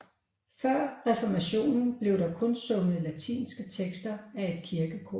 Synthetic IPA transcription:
fɶɐ̰ʁɛfɒmæɕo̝̰ːnn̩b̥le̝ʊɾ̥ɑ̈kʰɔ̽nsɔ̽ŋəð̩ˠlæt͡sʰḭːnsɡ̥ət͡sʰeɡ̥sd̥ɐæe̝d̥̚kʰiɐɡ̥əkʰɒ̰

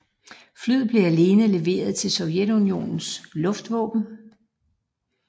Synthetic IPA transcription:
flyð̩ˠb̥le̝æle̝ːnəle̝ʋe̝̰ːɐð̞ˠt͡sʰe̝lsɒ̽ʊjed̥unio̝̰ːnn̩slɔ̽fd̥ʋɔ̰̽ːb̥n̩

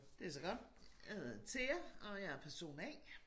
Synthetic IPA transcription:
d̥e̝ɐs̬ɒ̽ɡ̥ɒ̽d̥jhhðˠt͡sʰe̝jɑɒ̽jɑæɐpʰæɐso̝̰ːnɛ̰ː

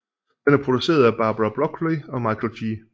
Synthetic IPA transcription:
d̥enæɐpʰʁo̝d̥use̝̰ːɐðˠæb̥ɑ̈ːb̥ʁɑb̥ʁɒkʰleɒ̽mɑ̈ɪkʰlɕiː

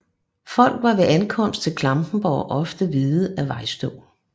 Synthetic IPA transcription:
fɒ̽l̰ɡ̥ʋɑ̈ʋe̝ʔænkʰɒ̽m̰sd̥̚t͡sʰe̝lkʰlɑ̈mb̥n̩b̥ɒːʔɒ̽fd̥əʋið̩ˠæʋɑ̈ɪ̰sd̥ɔ̰ː

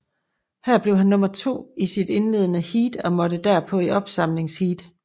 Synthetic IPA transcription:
hæɐ̰b̥le̝ʊɦænːɔ̽mɐt͡sʰo̝̰ːisid̥e̝nle̝ðˠnəhiːd̥ɒ̽mɒ̽d̥əd̥æɐ̰pʰɒ̽iʔɒ̽b̥sɑ̈m̰le̝ŋshiːd̥

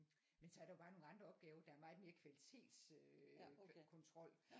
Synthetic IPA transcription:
mensɒ̽æɐɾ̥ɑjo̝b̥ɑ̈ːno̝ːn̩ɑ̈nd̥ʁɐɒ̽b̥̚ɡ̥ɛːʊɐd̥ɑ̈æɐmɑ̈ːð̩ˠme̝ːɐkʰʋælit͡sʰe̝̰ːd̥s | kʰɔ̽nt͡sʰʁɒ̽l̰

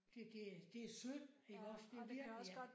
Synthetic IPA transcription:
d̥e̝d̥e̝d̥e̝æsøð̥̰eɡɒsd̥e̝ʋiɐɡ̥ijæ

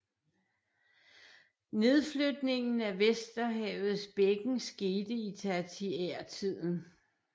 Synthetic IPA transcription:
ne̝ðˠflød̥ne̝ŋn̩æʋesd̥ɐɦɛʊð̞̩ˠsb̥eɡ̥ŋ̩sɡ̥e̝ːd̥əit͡sʰæt͡sʰieɐ̰t͡sʰið̞̰ˠn̩

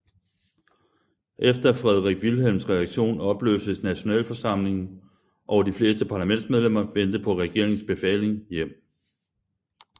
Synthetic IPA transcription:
ʔefd̥ɐfʁɛð̞ˠʁaɡ̥ʋilɦelmsʁɛæɡ̥ɕo̝̰ːnɒ̽b̥lø̰ːsəsnæɕo̝nɛ̰ːlfɒ̽sɑ̈m̰le̝ŋn̩ | ʔɒʊɐd̥ifle̝ːsd̥əpʰɑ̈læmen̰d̥smeð̞ˠlem̰ɐʋen̰d̥əpʰɒ̽ʁɛɡ̥e̝ɐ̰eŋn̩sb̥e̝fɛ̰le̝ŋjem̰

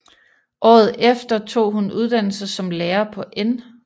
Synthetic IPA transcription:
ʔɒ̰ːð̞̩ˠefd̥ɐt͡sʰo̝̰ːɦunuð̞ˠd̥æn̰l̩səsɒ̽mleːɐpʰɒ̽ʔen

